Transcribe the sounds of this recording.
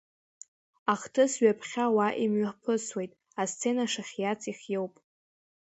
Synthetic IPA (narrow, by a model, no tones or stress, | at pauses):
aχtʰɨsɥapʰχʲawaʔimɥapʰɨswe̞jtʼ | ast͡sʰe̞naʂaχʲjat͡sʰʼiχʲjewpʼ